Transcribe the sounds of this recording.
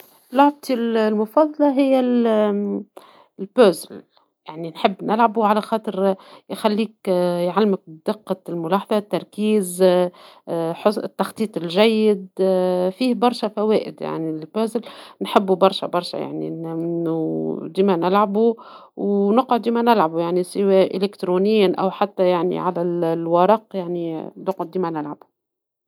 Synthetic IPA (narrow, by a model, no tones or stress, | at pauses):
lʊʕb̚t̪illmʊfɑðˤːɑlɑɦɪjːæl | lbøːzl | jaʕninħɪbːnʔɪlʕabuʕalæxɑːt̪ˤɨɾjxælːiːkjʕalːmɪk̚d̪ɪqːɑlmʊlɑːħɑðˤɑt̪ːɑɾˤkiːz | ħot̪ːɑxt̪ˤiːt̪ˤɪlʒæjːɪd̪fiːhbɑɾˤʃæfæwɛːʔɪd̪ja̰ʕniɪlbæzɪlnħɪbːubɑɾˤʃæ̰bɑɾˤʃæ̰ja̰ʕnḭnnːud̪iːmænɪlʕabu | wnʊqʕʊd̪d̪iːmænɪlʕabujaʕnisɪwæːʔɪlɪkt̪ɾonɪjːanʔæ̰wħat̪ːæjaʕnḭʕalællwɑɾˤɑqjaʕninʊqʕʊd̪iːmænɪlʕabu̥